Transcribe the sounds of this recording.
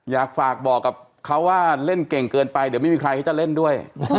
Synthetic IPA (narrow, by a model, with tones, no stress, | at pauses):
jaː˨˩k̚faː˨˩k̚bɔː˨˩kːa˨˩p̚ | kʰa˦˥waː˥˩le˥˩nke˨˩ŋkɤː˧npa˧jdi˨˦ma˥˩mi˧kʰɾa˧jkʰːt͡ɕa˨˩le˥˩ndu˥˩əj